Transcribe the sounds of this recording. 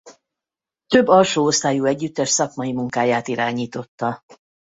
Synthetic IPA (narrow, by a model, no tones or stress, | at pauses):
t̪øbːɒlʃoːost̪aːjuɛɟːyt̪ːɛʃsɒkmɒjimuŋkaːjaːt̪iɾaːɲiːt̪o̞t̪ːɒ